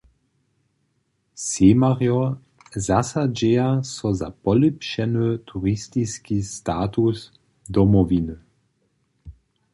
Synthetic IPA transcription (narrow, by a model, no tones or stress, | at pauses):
semaʁjɔ | zasad͡ʑɛjasɔza̰pɔlipʃɛnət̪ʰuʁist̪iskist̪aːt̪us | d̪ɔmɔvinə